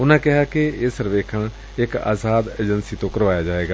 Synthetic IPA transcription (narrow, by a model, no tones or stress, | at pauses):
ʊnãːkɪɦaːkeɪsəɾʋeːkʰəɳ | ɪka̰ːsaːd̪eːd͡ʒənsiːt̪õːkəɾʋaːjaːd͡ʒaːeːɡaː